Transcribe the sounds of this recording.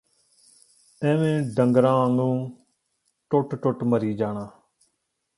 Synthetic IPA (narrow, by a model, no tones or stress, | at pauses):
ɛ̃ːʋẽːɖəŋɡɾãːnũː | ʈʊʈʈʊʈməɾiːd͡ʒaːɳãː